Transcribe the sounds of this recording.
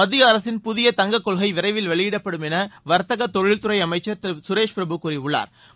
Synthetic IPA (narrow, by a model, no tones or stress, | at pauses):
ɐðɪjɐːɾɐsɪnpʊðɪjɐt̪ɐŋɡɐkːɔɭɣɐɪʋɪɾɐɪʋɪlʋɐɭɪjɪɽɐpːɐɽɯmɛnɐʋɐɾt̪ɐɣɐt̪ːɔɻɪɻt̪ʊɾɐɪɐmɐɪt͡ʃːɐɾt̪sʊɾeːʂpɾɐbɯkuːɾɪʊɭːa̰ːɾ